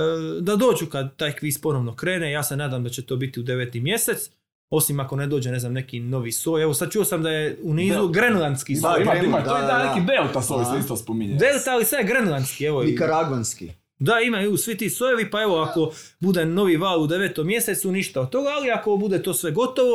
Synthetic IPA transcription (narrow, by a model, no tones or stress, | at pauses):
d̪ad̪o̞ːd͡ʒukad̪t̪ːaːjkʋiːspo̞no̞ʋno̞kɾe̞ːnejaːse̞naːd̪amd̪at͡ɕe̞t̪o̞ːbit̪iud̪e̞ʋeːt̪imje̞se̞t̪s | o̞simako̞ne̞d̪o̞ːd͡ʑene̞znamne̞kino̞ʋisoːjeʋo̞sad̪̚t͡ʃuosamd̪ajeuniːzuɡɾenlˠant̪skisaamat̪oed̪anekibeːlˠt̪asoiseist̪ospomiɲbeːlˠt̪aalisʋaɡɾenlˠant̪skieʋoikaɾaɡʋanskḭ | d̪aimajuusʋit̪iːsojeʋipae̞ʋo̞ako̞ | bud̪e̞no̞ʋiʋaːlˠud̪e̞ʋet̪omːje̞set̪suniʃt̪aod̪t̪o̞ɡaːliako̞bud̪e̞t̪o̞ːsʋe̞ɡo̞t̪o̞ʋo